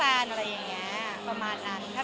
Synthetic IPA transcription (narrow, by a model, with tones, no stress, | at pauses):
aː˧nʔa˧ɾa˧jːa˨˩ŋŋːi˦˥ɐ | pɾa˧maː˧nːa˦˥ntʰaː˥˩